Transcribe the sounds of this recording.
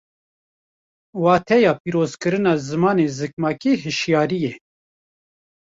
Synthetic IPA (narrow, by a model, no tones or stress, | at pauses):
wɑːt̪ʰɛjɑːpiːɾoːz̥kɨɾɨnɑːzɨmɑːneːzɨk̚mɑːkiːɦɨʃjɑːɾije